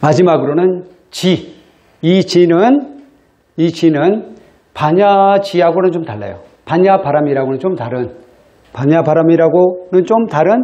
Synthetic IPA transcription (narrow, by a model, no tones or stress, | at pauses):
mad͡ʑimaɡɯɾonɯn | t͡ɕi | it͡ɕinɯn | it͡ɕinɯn | paɲat͡ɕiaɡonɯnt͡ɕomtaɭːa̰jo̰ | paɲapaɾamiɾaɡonɯnt͡ɕomtaɾɯn | paɲabaɾamiɾaɡonɯnt͡ɕomtaɾɯn